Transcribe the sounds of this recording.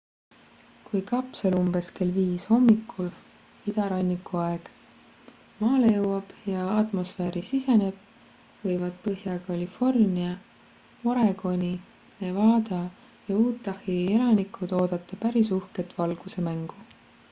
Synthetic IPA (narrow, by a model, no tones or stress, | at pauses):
kujkɑpselumbe̞ske̞lviːsho̞mːikʰːˑul | id̪ɑɾɑnʲːikːuɑe̞ɡ̥ | mɑːle̞jɤwːɑb̥jɑɑt̪mo̞sfeːɾisise̞ne̞b̥̚ | vɤjvɑd̪̥̚pɤɦjɑkɑlifo̞rniɑ | oɾe̞ɡ̥o̞nʲi | ne̞vɑːd̪̥ɑ | jɑuːt̪ːɑhielɑnikːˑut̪o̞ːd̪̥ɑt̪ːˑɑpæɾisuhket̪ːvɑlɡ̥use̞mæŋɡ̥u